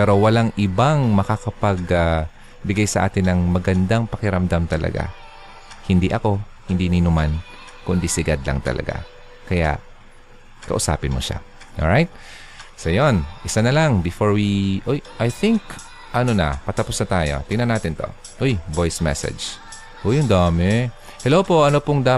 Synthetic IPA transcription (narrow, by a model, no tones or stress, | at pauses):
ppɛːɾo̞wɐlaŋʔɪbaŋmɐkakɐpaɡa | bɪɡajsɐʔa̰ːt̪ɪnːɐŋmɐɡɐnd̪aŋpɐkɪɾɐmd̪amt̪ɐlɐ̰ɡa̰ | hɪnd̪iʔɐko̞ | hɪnd̪ininʊman | kʊnd̪isɪɡad̪lɐ̰ŋt̪ɐ̰lɐ̰ɡa̰ | kɐja̰ʔ | kɐ̰ʔʊsa̰ːpɪnmoʃa̰ | ʔo̰ɹajt̪̚ | sɐjonʔɪsanɐlaŋbɪfoɹwiʔojʔajθɪŋk | ʔɐnonɐ̰pɐt̪ɐpʊsnɐt̪aːjo̞̰t̪ɪŋnɐnːaːt̪ɪnt̪o̞̰ | ʔojbojsmɛ̰sɛ̰d͡ʒ | ʔojʊŋd̪aːmɛ | hɛlowpo̞ʔɐnopʊŋd̪aː